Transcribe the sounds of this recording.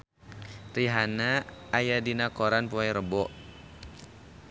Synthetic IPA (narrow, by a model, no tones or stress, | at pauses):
riɦanaːjadinakoɾanpuɛɾəbɔʔ